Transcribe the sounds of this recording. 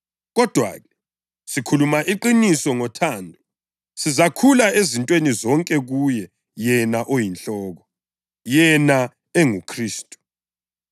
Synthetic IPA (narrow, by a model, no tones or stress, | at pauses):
ɣɔd̥ʱwa̰ːɣɛ | sikʰulumaʔiǃinisɔŋɔtʰaːndʱɔ | sizakʰulaezintʼwenizɔŋkʼɛɣujɛ | jɛnaʔojint͡ɬɔːɣɔ | jɛna | ɛŋukʰriːstʼu̥